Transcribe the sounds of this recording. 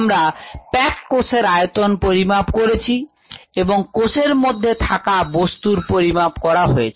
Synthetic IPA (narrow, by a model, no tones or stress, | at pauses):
mɾapɛkːoseɾajot̪onpoɾimapkoɾet͡ɕʰi | eboŋkoseɾmod̪ʱːet̪ʰakabost̪uɾpoɾimapkɔɾaɦoet͡ɕʰ